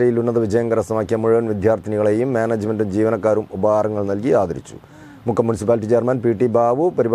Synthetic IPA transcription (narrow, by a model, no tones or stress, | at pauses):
ɐjilunːɐðɨʋid͡ʑɐjɐŋɡɐɾɐsɐmaːkːijɐmuɻuʋɐnʋid̪ʱjaːrt̪ʰiniɣɐɭe̞ːjumːaːnɐːd͡ʑɨme̞ndumd͡ʑiːʋɐnɐkːaːɾumubɐaːɾɐŋːɐɭnɐlkiaːd̪ɐɾḭt͡ɕːu̥̰ | mukʰːɐmjunisipaːliʈːit͡ɕeːrmɐnpiːʈːibaːʋɨpɐɾib